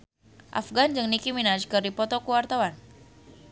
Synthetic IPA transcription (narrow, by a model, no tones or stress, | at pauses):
ʔa̰fɡand͡ʒɨŋnikiminat͡ʃkɨrdipɔt̪ɔkuwart̪awan